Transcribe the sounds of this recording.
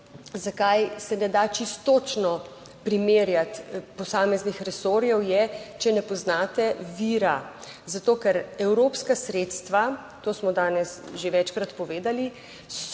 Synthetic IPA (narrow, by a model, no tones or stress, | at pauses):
zakajsɛnɛd̪at͡ʃist̪ot͡ʃnɔ | pɾimeːɾjat̪pɔsaːmɛznixɾɛsoːɾjɛwjɛt͡ʃɛnɛpɔznaːt̪ɛʋiɾa | zat̪oːkɛɾɛwɾoːpskasɾeːt̪st̪ʋa | t̪oːsmɔd̪aːnɛsʒeʋɛt͡ʃkɾat̪pɔʋeːd̪ali | s